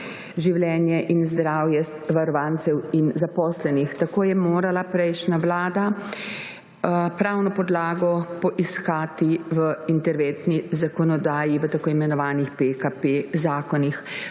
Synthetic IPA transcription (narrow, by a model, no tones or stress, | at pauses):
ʒiwlɛːnjɛʔinzd̪ɾaːwjɛ | ʋaɾɔʋaːnt̪sɛwinzapɔːslɛnixt̪akoːjɛmoːɾalapɾɛjʃnaʋlaːd̪a | pɾawnɔpɔd̪laːɡɔpɔʔiskaːt̪iʋəint̪ɛɾʋent̪nizakɔnɔd̪aːjiʋət̪akoːimɛnɔʋaːnixpekapezaːkɔnix